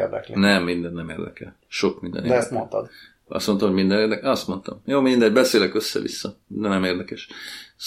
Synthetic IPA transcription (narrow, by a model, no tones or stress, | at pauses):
erd̪ɛklenɛmːind̪ɛnːɛmḛːrd̪ɛkɛ̰l | ʃo̞kmind̪ɛ̰nedɛɛst̪mont̪ɒd̪ | ɒ̰st̪mont̪ɒmoɟmind̪ɛneːrd̪ɛkɒst̪mo̞nt̪ɒ̰mjoːmind̪ɛɟbɛseːlɛkøsːɛ̰ʋḭsːɒd̪ɛnɛmeːrd̪ɛkɛʃ